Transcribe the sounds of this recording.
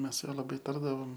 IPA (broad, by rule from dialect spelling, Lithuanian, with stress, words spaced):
ˈmʲɛs sʊ ˈjuɔ lˠɐˈbɐɪ ˈtɐrdɐʋoːm